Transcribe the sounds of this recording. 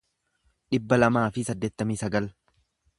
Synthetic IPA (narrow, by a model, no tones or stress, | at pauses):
ᶑɪbːɐlɐmaːfɪsɐd̪ːe̞ːt̪ːɐmiːsɐɡɐl